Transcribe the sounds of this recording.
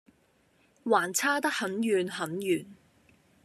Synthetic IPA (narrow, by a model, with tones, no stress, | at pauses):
waː˨˩nt͡sʰaː˥t̪ɐ˥k̚hɐ˨˥njyː˨˩nɦɐ˨˥njyː˨˩n